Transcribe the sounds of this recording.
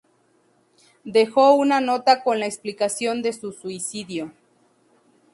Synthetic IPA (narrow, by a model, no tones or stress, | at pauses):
d̪exounanot̪akonlaeksplikasjond̪esusuisiðjo